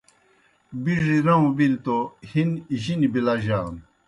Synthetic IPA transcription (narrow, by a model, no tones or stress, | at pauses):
biʐiɾɐũbilt̪ohiniʑinibilaʑan